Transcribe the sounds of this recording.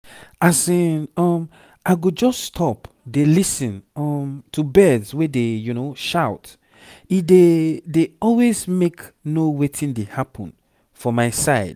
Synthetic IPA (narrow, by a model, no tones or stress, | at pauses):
aseĩnɔm | aɪɡod͡ʒɔsːtʰɔp | delisĩnɔmtʰubɛdzwedejunoʃaʊt | idedeɔlwezmeknowetʰĩndehapʰɔ̰̃n | fɔmaɪsaɪd̥̚